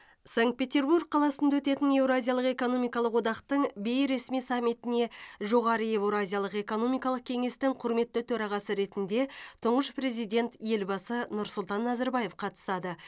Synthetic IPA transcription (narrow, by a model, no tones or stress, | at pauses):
saŋkt̪̚pʲe̞t̪ʲe̞rburɡ̚qʰɑlˠɑsənd̪ɑwɵt̪e̞t̪ɪne̞wɾoazʲijalˠəqe̞ko̞no̞mijkɑlˠəqwo̞d̪ɑqt̪əɴbe̞jɾe̞smijsamʲːit̪ɪne̞ʒo̞ʁɑɾəjewɾoazʲijalˠəqe̞ko̞no̞mijkɑlˠəq̚kʲʰe̞ŋe̞st̪ɪŋqʰʊɾme̞t̪ːɪt̪ʰɵɾɑʁɑsəɾe̞t̪ɪnd̪e̞t̪ʰʊɴʁəʃpre̞zijd̪ʲe̞nt̪je̞lbɑsənʊɾsʊlˠt̪ɑnːɑzɑɾbɑje̞fqʰɑt̪ə̥sɑd̪ə